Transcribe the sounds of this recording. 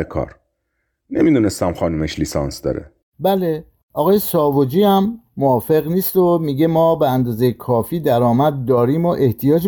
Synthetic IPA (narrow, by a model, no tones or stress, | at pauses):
ekʰɒ̰ːɾ | nemid̪unest̪æmxɒːnumeʃliːsɒ̰nsd̪ɒ̰ːɾḛ | bæle̞ | ɒɣɒːjesɒːvod͡ʒiːæmːoɒːfe̞ɣniːst̪omiːɟe̞mɒːbeænd̪ɒːzejekʰɒːfiːd̪æɾɒːmæd̪̚ːɒːɾiːmoʔe̞ht̪ʰijɒːd͡ʒ